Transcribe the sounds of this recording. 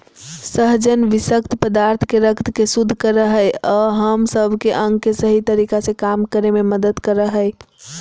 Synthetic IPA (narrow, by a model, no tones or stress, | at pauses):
səɦd͡ʒənʋisəkt̪ʰpəd̪aɾt̪ʰkeɾəkt̪kesud̪ʱːkəɾəɦəɔɦəmsəbʱkeʔəŋɡkesəɦit̪əɾikasẽkamkəɾememəd̪əd̪kəɾəɦəɪ